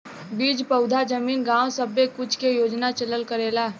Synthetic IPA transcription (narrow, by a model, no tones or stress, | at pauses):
biːd͡ʒpəʊd̪ʱad͡ʒəmiːnɡãːõsəbːekʊt͡ʃʰkejoːd͡ʒnat͡ʃələlkəɾeːlaː